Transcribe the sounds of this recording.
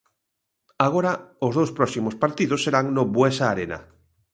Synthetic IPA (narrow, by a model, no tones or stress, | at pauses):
aɣoɾaozðowspɾɔsimospaɾt̪iðosːeɾaŋnobwesaːɾena̰